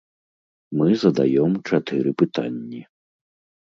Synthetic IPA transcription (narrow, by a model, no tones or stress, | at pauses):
mɨzɐd̪ajɔmt͡ʂat̪ɨɾɨpɨt̪a̰nʲːi